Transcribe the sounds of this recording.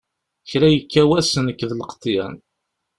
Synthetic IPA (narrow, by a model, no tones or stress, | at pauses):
çɾæjəkːæwæsənəkːðləqt̪ˤːjæ̰n